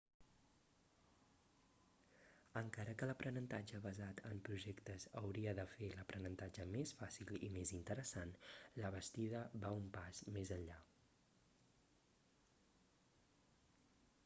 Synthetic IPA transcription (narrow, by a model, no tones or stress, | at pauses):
əŋkaɾəkələpɾənənt̪ad͡ʒəβəzat̪ʰəmpɾuʒɛkt̪əzəwɾiəðəfeləpɾənənt̪ad͡ʒəmesfasilḭmezint̪əɾəsanləβəst̪iðəβaumpaz̥mezəɲʎa